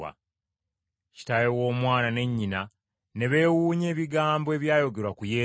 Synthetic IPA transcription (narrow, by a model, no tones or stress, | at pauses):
a̰ | ci̥tajewo̞ːmwaːnane̞ɲːina | ne̞βe̞ːwuːɲe̞ːβiɡaːmboe̞ːβjaːjo̞ɡe̞ɾwakujeː